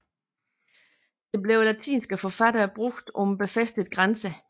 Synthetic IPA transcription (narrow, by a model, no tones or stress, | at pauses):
d̥e̝b̥le̝ʊlæt͡sʰḭːnsɡ̥əfɒ̽fæɾ̥ɐːb̥ʁoɡ̥d̥ɒ̽mb̥e̝fesd̥əð̩ˠɡ̥ʁansə